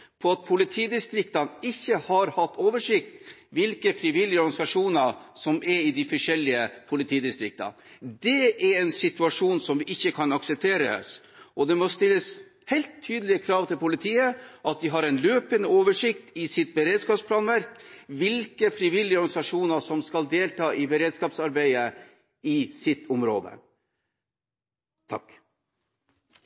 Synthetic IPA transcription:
pʰɔɑt̪̚pʰʊlɪt̪ʰiːd̪ɪst̪ɾɪkt̪ɑnɪçːəhɑɾhɑt̪ːoːʋəʂɪk̚t̪ʋɪlkəfɾɪʋɪlːɪəɔɾɡɑnɪsɑʂuːnəɾsɔmɛɾɪd̪ɪfɔʂɛlːɪəpʰʊlɪt̪ʰiːd̪ɪst̪ɾɪk̚t̪ɑ̰ | d̪ɛʔɛɾɛnsɪt̪ʉɑʂuːnsɔmʋɪʔɪçːəkʰɑnɑksɛp̚t̪ʰeːɾə̰s | ʔɔd̪ɛmɔst̪ɪlːəs | hɛɪlt̪ʰːyːd̪əlɪəkʰɾɑːʋt̪ɪlpʊlɪt̪ʰiːəʔɑt̪̚d̪ɪɦɑɾɛnløːpənəoːʋəʂɪkt̪ɪsɪt̪̚bəɾeːd̪skɑːpspʰlɑːnʋæɾkʋɪlkəfɾiʋɪlːɪəɔɾɡɑnɪsɑʂuːnəʂɔmskɑld̪eːlt̪ʰɑːʔɪbəɾeːd̪skɑːpsɑɾbæɪə | ɪsɪt̪ʰːʊmɾo̰ːd̪ə̰ | t̪ʰɑ̰k

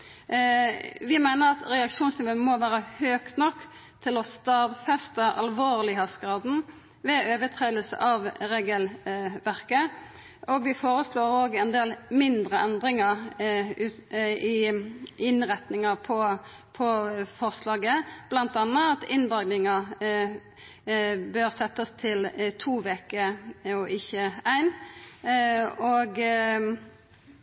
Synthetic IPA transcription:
ʋɪmæɪnəʁɑt̪ɾɛɑkʂuːnslɪʋoːnmɔʋæːɾəhøːkt̪nɔkːt̪ʰɪlɔst̪ɑːd̪fɛst̪əʔɑlʋoːʁlɪɦɑsɡʁɑːd̪n̩ | ʋɛøːʋət̪ʰʁeːd̪əlsə̰ʔɑʋɾeːɡəlʋæʁkə | ʔɔɡʋɪfoːɾəsloːɾoːɡɛnd̪eːlmɪnd̪ɾəʔɛnd̪ɾɪŋɑ | ʉɪʔɪnʁɛt̪nɪŋɑpʰɔ | pʰɔfɔʁslɑːɡəb̥lɑnt̪ɑnːəɑt̪ɪnd̪ɑɡnɪŋɑ | bøːʁsɛt̪ːəst̪ʰɪlt̪ʰuːʋeːkəɔʔɪçəæɪn | oɡ

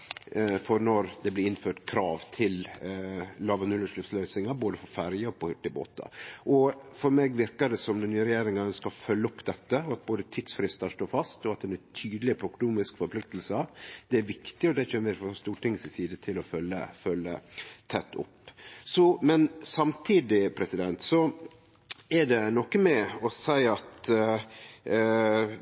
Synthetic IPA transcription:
fɔɾnɔɾd̪ɛblɪɪnføːʈkʰɾɑːʋt̪ʰɪl | lɑːʋɑnʉlːəʂlɪft̪slœʏsɪŋɑboːd̪əfɔɾfæɾjəɔpɔhʏʈːɪbo̰ːt̪ɑ̰ʔɔfɔɾmɛɡʋɪɾkɑɖɛsɔmd̪ɛnyːəɾɛjeːɾɪŋɑnskɑlfœlːəʊpːd̪ɛt̪ːəɔɑt̪̚boːd̪ət̪ʰid̪sfɾɪst̪ɑʂʈoːɾfɑst̪ɔɑt̪̚d̪ɛnɛt̪ʰyːd̪lɪəpʰɾɔknuːmɪskfɔɾpʰlɪkt̪əlsəd̪̥ɛæɾʋɪkt̪ɪɔd̪ɛçøːnʋɪɾfɔst̪uːʈʰɪŋːsɪsiːd̪ət̪ʰɪlɔfœlːə̰fœlːə̰t̪ʰɛt̪ːʊ̰pːsɔmɛnsɑmt̪ʰiːd̪ɪpʰɾɛsɪd̪ɛnt̪sɔ | ɛɖɛnɔkːəmɛɔsæɪɑt̪

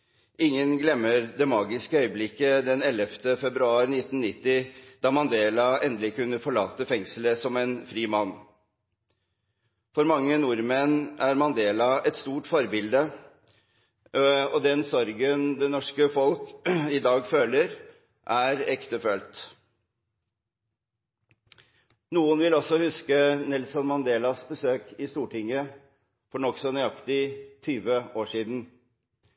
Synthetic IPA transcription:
ʔɪŋːənɡlɛmːəɾd̪ɛmɑːɡɪskəœʏəblɪkːəd̪ɛnɛləft̪əfɛbɾʉɑːɾnɪt̪ːn̩nɪt̪ːɪd̪̥ɑːmɑnd̪eːlɑɛnd̪lɪkʉnːəfɔɭɑːt̪əfɛŋsləsɔmɛnfɾiːmɑnː | fɔɾmɑŋːənuɾmɛnæɾmɑnd̪eːlɑʔɛt̪st̪uːʈfɔɾbɪld̪ə | ɔd̪ɛnsɔɾɡənd̪ɛnɔʂkəfɔlkɪd̪ɑːɡføːləɾ | ʔæɾɛkt̪əføːlt̪ | nuːənʋɪlɔsːɔhʉskənɛlsɔnmɑnd̪eːlɑsbəsøːkɪst̪uːʈɪŋːə | fɔɳɔksɔnʏɑkt̪ɪt̪ʰyːʋəoːʂiːd̪n̩

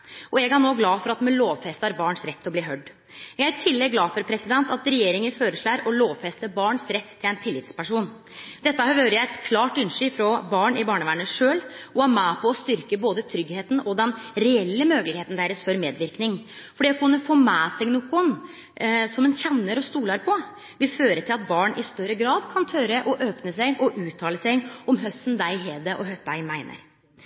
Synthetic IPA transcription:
ʔɔjɛɡænoːɡlɑːfɔɾɑt̪mɛloːʋfɛst̪ɑɾbɑːɳsɾɛt̪ʰːɔbliːɦœɖː | jæɡæɾɪt̪ʰɪlːɛɡɡːlɑːfɔɾpʰɾɛsɪd̪ɛnt̪ɑt̪ɾɛjeːɾɪŋənføːɾəʂɭæːɾɔloːʋfɛst̪əbɑːɳsɾɛt̪ʰːɪlæɛnt̪ʰɪlːɪt̪spæʂuːn | d̪̥ɛt̪ːəhøːɾəjæɪɛt̪kʰlɑːʈʉnʂʏːfɾɔbɑːɳɪbɑːɳəʋæːɳəʂøːlɔæmæːpʰɔɔst̪ʏɾkəboːd̪ət̪ʰɾʏɡheːt̪n̩ɔd̪ɛnɾɛɛlːəmøːɡəlɪɡeːt̪n̩d̪æɾəsfɔɾmeːd̪ʋɪɾknɪŋ | fɔɖikʰʉnːəfoːmæːsɛɡnuːkːʊn | sɔmɛnçɛnːəɾɔst̪uːlɑɾpʰɔ | ʋɪføːɾəʈ̪ʰɪlɑt̪̚bɑːɳʔɪst̪œɾəɡɾɑːd̪kʰɑnt̪ʰœɾəʔɔʔøːpnəsæɪɡʔɔʔʉːt̪ʰɑːləsæɡɔmɦœst̪nd̪æɪɦeːd̪əʔɔɦœt̚d̪æɪmæɪnə̰ɾ

